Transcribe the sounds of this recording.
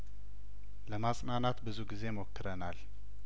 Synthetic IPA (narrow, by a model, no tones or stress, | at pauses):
ləmasʼnanat̪bɨzuɡize̞mokːɨɾənal